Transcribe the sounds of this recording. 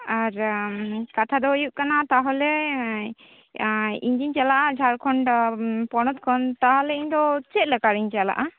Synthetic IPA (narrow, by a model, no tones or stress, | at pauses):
aɾ | kat̪ʰad̪ɔojuʔkanat̪aɦɔlɛ | ḭɲd͡ʒiɲt͡ʃalaʔad͡ʒʱaɾkʰɔɳɖpɔñɔt̪̚kʰɔnt̪aɦɔlɛiɲd̪ɔt͡ʃɛt̪̚lɛkaɾiɲt͡ʃala̰ʔa